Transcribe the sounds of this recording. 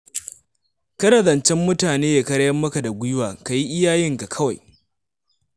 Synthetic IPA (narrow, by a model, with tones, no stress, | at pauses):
kɐ˦dɐ˨zɐ˨nt͡ʃɛ˦mːʊ˦taː˨neː˦ja˨kɐ˦ɽjɐ˦mːɐ˦ka˨da˨ɡʷʊ˦jʊ˦waː˨ka˨ji˦ʔɪ˦jaː˦jɪ˦ŋka˨kʰɐ˦wa˨j